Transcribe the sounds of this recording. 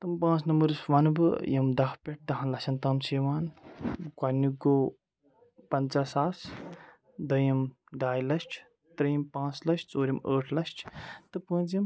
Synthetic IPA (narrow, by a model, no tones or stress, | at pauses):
t̪ɨmpãːt͡sʰnɐməɾɨsʋɐnbɨ̰jɐmd̪ɐkʰpʲeʈ̚t̪ɐɦɐ̃nlɐʃɐnt̪ɐːmseːʋaːnkwɐnːuɡoː | pɐnt͡ʃaːsaːs | d̪ɐjim | ɖaːjlɐsʈʰ | t̪ɾɐjimpãːt͡slɐʃʈt͡soːɾʲjimə̰ːʈʰlɐsʈʰt̪ɨpə̃ːt͡sjim